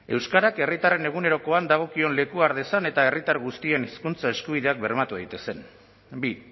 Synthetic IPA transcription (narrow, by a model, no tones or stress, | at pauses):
e̞wskaɾake̞rit̪are̞ne̞ɣ̞une̞ɾo̞ko̞and̪aɣ̞o̞kio̞nle̞kuaɾðe̞sane̞t̪ae̞rit̪aɾɣust̪ie̞niskunt͡sae̞skuβ̞iðe̞ak̚be̞rmat̪uðajt̪e̞se̞n | bi